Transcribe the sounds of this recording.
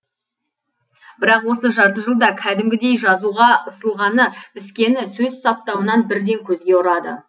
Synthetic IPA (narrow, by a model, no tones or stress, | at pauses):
bɪɾɑqwo̞səʒɑɾt̪əʒəlˠd̪ɑkʲʰæd̪ɪmɡʲɪd̪e̞jʒɑzuʁɑəsəlˠʁɑnəb̥ɪskʲe̞nɪsɵzsɑp̚t̪ɑwənɑnbɪɾd̪e̞ŋkʲʰɵzɡʲe̞ʊɾɑd̪ə̰